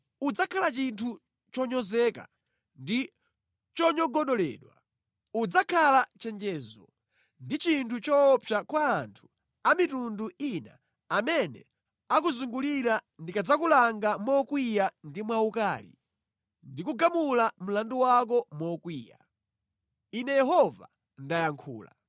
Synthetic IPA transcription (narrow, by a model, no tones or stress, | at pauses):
ud͡zakʰalat͡ʃintʰu | t͡ʃɔɲɔzɛka̰ | ndi | t͡ʃɔɲɔɡɔɗɔlɛ̰ːɗwa̰ | ud͡zakʰalat͡ʃɛnd͡ʒɛːzɔ | ndit͡ʃintʰut͡ʃɔpʰjakwaːntʰu̥ | amitunduina̰ | amɛnɛ̰ | akuzuŋɡuliɾandikad͡zakulaŋɡamɔkwijandimwaukaːlḭ | ndikuɡamulam̩landuwak̬ɔmɔkwiːja̰ | inɛjɛɦɔva̰ | ndajaŋkʰṵːla̰